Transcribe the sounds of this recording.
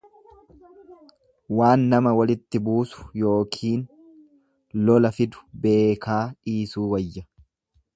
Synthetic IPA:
waːnːɐmɐwɐlɪt̪ːɪbuːsʊ̥jo̞ːkʰiːn | lɔlɐfɪd̪ʊ̥be̞ːkaːᶑiːsuːwɐjːɐ

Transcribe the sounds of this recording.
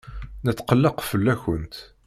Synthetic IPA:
nət͡sːqəlːəqfəlːæçənt̪

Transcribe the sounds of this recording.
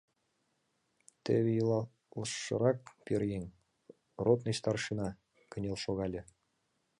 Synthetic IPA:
t̪ɘ̰βʲejɤlˠɑ | lɤʃːɤ̰̆ɾɑk̚pʲerʲjeŋʲ | rot̪nɤɕt̪ɑrʃinɑ | kɤ̆nʲelˠʃoɣɑlʲɤ̆

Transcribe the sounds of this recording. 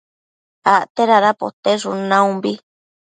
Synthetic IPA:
aʔt̪eɾaɾapo̰t̪eʐunãũmbi

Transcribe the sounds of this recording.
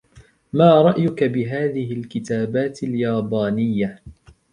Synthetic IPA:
maːɾˤɑʔjʊkabɪɦaːðɪɦɪlkɪt̪aːbaːt̪ɪljaːbaːnɪjːa

